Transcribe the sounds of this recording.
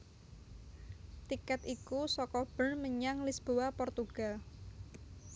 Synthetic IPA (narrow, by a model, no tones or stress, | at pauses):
t̪ikɛt̪ikusɔkɔb̥ənməɲaŋlisb̥owapɔrt̪uɡ̥al